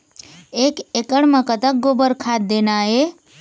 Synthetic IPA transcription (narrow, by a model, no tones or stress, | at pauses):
ekekəɽmãkət̪akɡobəɾkʰad̪̚ːenae